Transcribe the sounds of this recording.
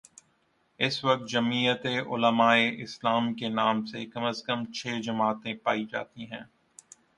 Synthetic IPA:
ɪsʋɐk̚t̪̚d͡ʒɐmiːjət̪eʔʊ̰ləmaːeʔɪslaːmkenaːmsekɐməskəmt͡ʃʰeːd͡ʒɐmaːt̪ẽpaːid͡ʒa̰ːt̪iɦɛ̃ː

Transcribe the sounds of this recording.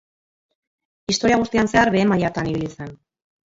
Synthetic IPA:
ist̪o̞ɾiaɣust̪ianse̞aɾβe̞ːmajaɾt̪aniβilisen

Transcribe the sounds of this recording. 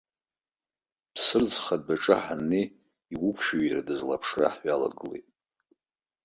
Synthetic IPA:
pʰsɨrd͡zχad̚baʈ͡ʂʼɨħanːe | iwʊkʷʰʼʃᶣaɥiradɨzlapʰʂra̰ħɥala̰ɡɨlejtʼ

